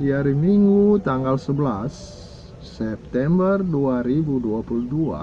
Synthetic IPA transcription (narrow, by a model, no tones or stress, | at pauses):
diaɾimiŋɡut̪aŋɡalsəbəlasː | ɛp̚t̪ɛmbərduaɾibuduapuludua̰